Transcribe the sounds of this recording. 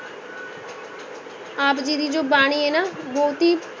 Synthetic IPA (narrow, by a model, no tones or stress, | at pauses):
aːpd͡ʒiːd̪iːd͡ʒoːbaːɳ̃iːeːnaːboːt̪iː